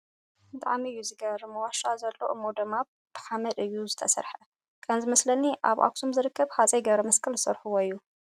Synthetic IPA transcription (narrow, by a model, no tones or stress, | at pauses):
t̪ʰʼa̰ʕmijːuzɨɡɐβɾmɐwaʃazɐlːo̰ʔɨmod̪ɐmaβ | b̥ɨħamɐt̪ɨjːuzɨt̪ʰɐsɐ̰ɾħɐ | kʰʼɐnzɨmɐslɐniʔa̰βʔa̰ksʰomzɨɾɨkʰːɐβhat͡sʼɐjɡɐβɾɐmɐskʰɨlzɨsɐɾħɨwojːu